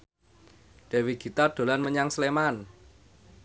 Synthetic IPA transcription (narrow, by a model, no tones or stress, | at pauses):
ɖ̪̥e̤wiɡ̥i̤t̪aɖ̪̥o̤lanməɲaŋsleman